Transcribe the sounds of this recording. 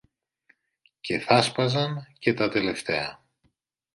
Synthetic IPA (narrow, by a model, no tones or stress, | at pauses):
cʰe̞θɐspɐzɐnce̞t̪ɐt̪e̞le̞ft̪e̞ɐ